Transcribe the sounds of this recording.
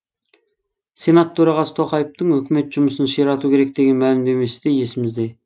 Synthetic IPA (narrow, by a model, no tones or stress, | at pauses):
sʲe̞nat̪ʰːɵɾɑʁɑsə̥t̪ʰo̞qɑjəp̚t̪əɴɵkʲɪme̞t̪ʒ̥ʊməsənʃeɾɑt̪ukʲʰe̞ɾek̚d̪e̞ɡʲe̞nmælɪmd̪e̞me̞sɪd̪e̞je̞sɪmɪzd̪e̞